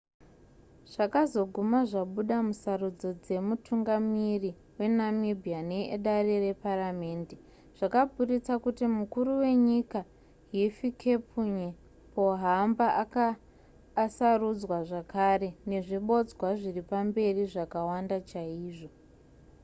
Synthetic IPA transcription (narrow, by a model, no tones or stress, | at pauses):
ʐ̥akazo̞ɡʱumaʐaɓuɗamusarud͡zo̞d͡ze̞mutʰuŋɡamiri | we̞namibʱianeɗarere̞paɾame̞ːnde̞ | ʐ̥akabʱurit͡sakutimukuɾuwe̞ɲika | ɦifikʰe̞pʰuɲe | po̞ɦambaakaː | sarud͡zwaʐakare̞ne̞ʐiɓo̞d͡zwaʐiripambe̞riʐakawandat͡ʃaiːʐo̞